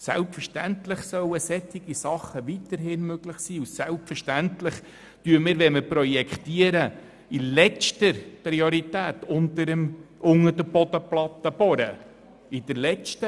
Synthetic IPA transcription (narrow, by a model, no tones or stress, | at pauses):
sɛlpfəʃtænt̪lɪχsœwəsɛt̪iɡ̥isɑχːəʋit̪əɾɦɪnmøɡ̥lɪχsiːusælpfəɾʃtænt̪lɪχ | tyəmɪːɾʋɛməpɾɔjɛkʰt̪iəɾə | ilɛtəɾpɾioɾit̪æːtʊnt̪əɾəmʊŋəɾdəb̥ɔd̪əplɑt̪ːəb̥ɔɾə | id̪̥əɾlɛt͡ʃtə